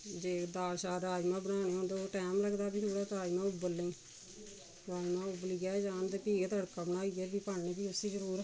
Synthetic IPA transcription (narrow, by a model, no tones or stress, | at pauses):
d͡ʒeːkd̪aːlʃaːɾaːimãːbənaːneːɦõːnd̪eoʈɛːmləɡd̪aːbiːt͡ʃʰuːɽaːt̪aːimãːʊbəlːəĩː | ɾaːimãːʊbəliɡaːd͡ʒaːnd̪eːpiːɡeːt̪əɽkaːbənaːiɡɛːbiːpaːɽneːbiːʊsiːzəɾuːɾ